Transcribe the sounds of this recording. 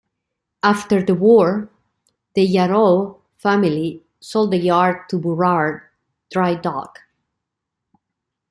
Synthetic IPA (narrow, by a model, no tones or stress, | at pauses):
aft̪ə˞ðəwɔɹ | ðəjaɾo | fæmili | solˠd̪əjaɹd̪̚t̪ʰubuɹaɹ | d̪̥ɹajdɔ̰k